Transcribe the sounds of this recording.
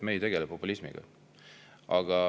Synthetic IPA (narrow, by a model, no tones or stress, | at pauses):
meːjt̪e̞ɡ̥elepːopːulismḭɡ̥ɑ̰ | ɑɡ̥ɑ